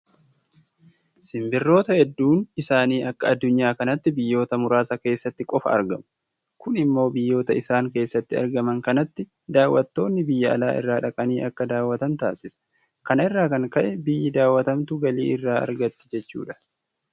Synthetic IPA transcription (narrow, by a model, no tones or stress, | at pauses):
sɪmbɪrːo̞ːt̪ɐhɛd̪ːuːnɪsaːniːʔɐkːɐɐd̪ːʊɲːaːkɐnɐt̪ːɪbɪjːo̞ːt̪ɐmʊɾaːsɐke̞ːsːɐt̪ːɪkʼɔfɐ̰ɐ̰ɾɡɐmʊ | kʊnɪmːo̞ːbɪjːo̞ːt̪ɐɪsaːŋke̞ːsːɐt̪ːɪɐ̰ɾɡɐmɐŋkɐnɐt̪ːɪ | d̪aːwːɐt̪ːo̞ːnːɪbɪjːɐɐ̰laːʔɪ̰rːaːᶑɐkʼɐniːʔɐkːɐd̪aːwːɐt̪ɐnt̪aːsɪsɐ̥ | kɐnɪrːaːkɐŋkɐʔɛbɪjːɪd̪aːwːɐt̪ɐmt̪ʊɡɐlḭːɪrːaːɐ̰ɾɡɐt̪ːɪ̥d͡ʒɛt͡ʃːṵːᶑɐ̥